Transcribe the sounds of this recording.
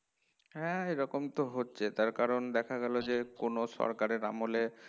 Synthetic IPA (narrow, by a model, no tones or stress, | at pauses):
ɦɛeɾɔkomt̪oɦotːɕʰet̪aɾkaɾond̪ɛkʰaɡɛlod͡ʑekonoʃɔ̰ɾkaɾeɾa̰mole